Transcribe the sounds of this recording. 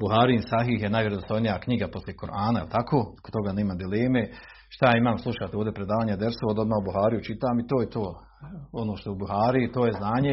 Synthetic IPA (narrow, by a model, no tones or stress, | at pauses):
buɦaːɾinsaɦiɦjenaːjʋjeɾod̪ost̪ojnijakɲiɡapo̞sljekoɾʔaːnaḭlˠt̪akʰoːko̥t̪o̞ɡaːneːmamd̪ileːme̞ | ʃt̪ajaːimaːmslˠuʃaːt̪eoːvd̪ʲepɾed̪aːʋaːɲed̪eɾsood̪o̞d̪maːubuɦaːɾijut͡ʃit̪aːmit̪oːjet̪oː | onoːʃt̪oubuɦaːɾiit̪oːjeznaːɲe